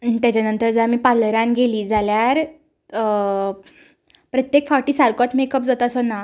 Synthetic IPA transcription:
t̪jat͡ɕanənt̪əɾd͡zamiːpaləɾjãnɡeliːd͡zaljaɾ | pɾət̪jekfaʈiːsaɾkɔt̪mekəpd͡zat̪əsɔna

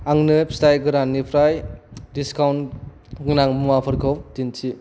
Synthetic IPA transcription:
aŋnɯpstajɡɯɾanːipʰɾajdiskawn | ɡɯnaŋmuwapʰɯɾkʰɔwtintʰi

